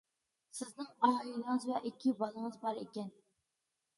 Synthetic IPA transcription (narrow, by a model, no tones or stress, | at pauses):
sɪznɪŋɑɦɑjilˠəŋɨzwɛʔikʲʰːɪbɑlˠəŋɨzbɑɾekʲɛn